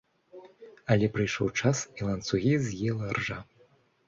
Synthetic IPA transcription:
ɐlʲɛpɾɨjʂɔ̰wt͡ʂasilˠɐnt̪suɣʲizʲjɛlˠɐrʐa

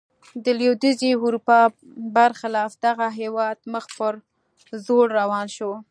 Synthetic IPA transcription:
d̪əlewd̪iziuɾupɑ | baɾxɪlɑfd̪aɣaɦewɑd̪məxpəɾ | zoɽːawɑnʃo

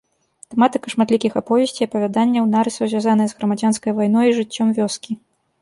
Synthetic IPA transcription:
t̪ɛmat̪ɨkɐʂmat̪lʲikʲixapɔvʲɛsʲt͡sʲiɐpɐvʲad̪anʲːɐwnaɾɨsɐwzʲvʲazan̪ɐjɐzɣɾɐmad͡zʲanskɐjvajnɔjiʐɨt͡sʲːɔmvʲɔskʲi

